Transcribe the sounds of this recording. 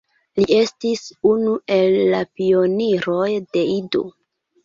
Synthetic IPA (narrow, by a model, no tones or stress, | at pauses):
lie̞stisunuʔe̞lːapio̞niɾo̞jd̥e̞ido̰